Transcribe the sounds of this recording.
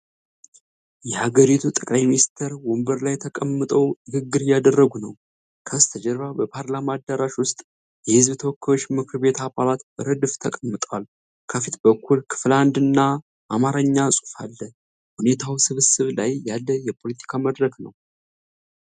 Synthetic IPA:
jɛhaɡəɾit̪ʰut̪ʼəkʼlajminist̪ʰəɾwumbəɾlajt̪ʰəkʼəmːɨt̪ʼəwɨɡɨɡːɨɾjad̪ərːəɡunəw | kʰəst̪ʰəd͡ʒɛɾβabəpʰaɾlamaːd̪ːaɾaʃwʊst̪ʼ | jɛhɨzbt̪ʰəwokːəjo̞t͡ʃːmɨkʰɨɾbe̞t̪ʰabalat̪bəɾəd̪ɨft̪ʰəkʼəmːɨt̪ʼwal | kʰəfit̪bəkʰːulkʰɨ̥fland̪ɨnːa | ʔːmaɾəɲːasʼufalːə | hune̞t̪ʰawsɨβɨsɨβlajjalːəjɛpʰo̞lət̪ʰi̥kʰaməd̪ɾəknəw

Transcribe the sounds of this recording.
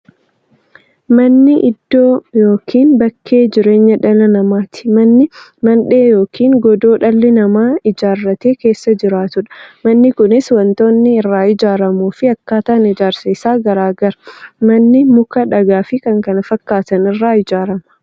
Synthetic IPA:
mɐnːɪʔɪd̪ːoːjo̞ːkʰiːnbɐkʰːeːd͡ʒɪɾe̞ːɲːɐᶑɐlɐnɐmaːt̪ɪ̥mɐnːɪmɐnᶑe̞ːjo̞ːkʰiːŋɡɔd̪o̞ːᶑɐlːɪnɐmaːɪd͡ʒaːrːɐt̪e̞ːke̞ːsːɐd͡ʒɪɾaːt̪ʊᶑɐ̥mɐnːɪkʊnɪswɐnt̪o̞ːnːɪːrːaːɪd͡ʒaːɾɐmuːfɪɐkːaːt̪aːnɪd͡ʒaːɾsiːsaːɡɐɾaːɡɐɾɐmɐnːɪmʊkɐᶑɐɡaːfɪkɐŋkɐnɐfɐkːaːt̪ɐnɪrːaːɪd͡ʒaːɾɐmɐ̥

